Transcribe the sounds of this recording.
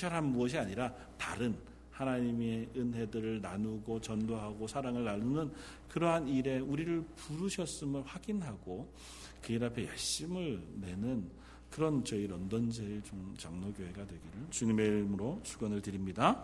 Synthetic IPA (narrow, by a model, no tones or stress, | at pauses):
aɾɦanmuʌɕ̬ʰiaɲiɾa | taɾɯn | hanaɲimeɯnɦe̞dɯɾɯɭnanuɡot͡ɕʌndoɦaɡosʰaɾaŋɯɭnanunɯn | kɯɾʌɦaniɾe̞uɾiɾɯɭpuɾuɕʰʌs͈ɯmɯɭɸwaɡinɦaɡo | kɯiɾapʰe̞jʌɭɕ͈imɯɭne̞nɯn | kɯɾʌnt͡ɕʌiɾʌndʌnd͡ʑʰeet͡ɕomt͡ɕaŋnoɡjoɦe̞ɡadwe̞ɡiɾɯɭt͡ɕuɲime̞iɾmɯɾosʰuɡanɯɭtɯɾimɲida